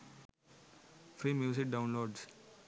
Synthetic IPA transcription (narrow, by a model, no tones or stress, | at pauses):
fɾiːmjuːzɪk̚ɖãʊ̃nloːɖs